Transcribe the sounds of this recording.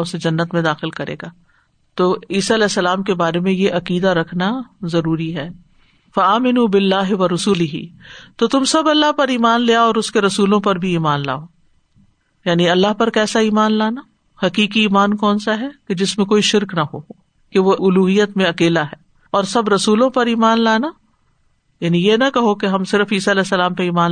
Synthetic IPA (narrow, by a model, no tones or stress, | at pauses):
ʊsed͡ʒɐnːət̪mẽd̪aːxɪlkɐɾḛːɡaː | t̪oːiːsaɐlɛːsːɐlaːmkebaːɾemẽjeʔɐqiːd̪aɾɐkʰnazɐɾuːɾiɦɛː | fɐaːmɪnuːbɪlːaːɦɪʋɐɾʊsʊlɪɦḭt̪ot̪ʊmsɐbɐlːaɦpɐɾiːmaːnleaɔːɾʊskeɾɐsuːlõpɐɾbʱiiːmaːnla̰ːoː | jaːniɐlːaɦpɐɾkɛːsaiːmaːnlaːna | hɐkiːkiːmaːnkɔːnsaɦɛked͡ʒɪsmẽkoːiʃɪɾknɐɦo | keʋoʔʊluːɦijːət̪mẽɐkeːlaɦɛː | ɔːɾsɐbɾɐsuːlõpɐɾiːmaːnlaːna | jaːnijenɐkɐɦokeɦɐmsɪɾəfiːsaɐlɛːsːɐlaːmpeiːmaːn